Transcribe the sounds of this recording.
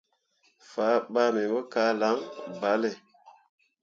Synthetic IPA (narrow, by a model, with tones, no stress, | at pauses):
faː˨˦ɓa˦me˨mə˦ka˨˦la˨˦ŋba˨˦le˨